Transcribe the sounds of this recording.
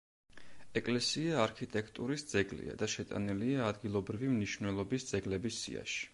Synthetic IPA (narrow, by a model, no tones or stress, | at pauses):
ɛkʼlɛsiaːɾkʰit̪ʼɛkʰt̪ʼuɾisd̪z̥ɛɡlḭa̰d̪aʃɛt̪ʼa̰niliaːd̪ɡilˠɔbɾivimniʃvnwɛlˠɔbisd̪z̥ɛɡlɛbisːḭa̰ʃi̥